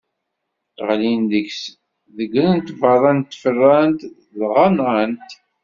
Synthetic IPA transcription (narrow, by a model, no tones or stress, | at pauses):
θʁlinðəks | ðəɡələnt̪vɑðˤɑnt̪ːfərːænt̪ | lʁɑnɑnt̪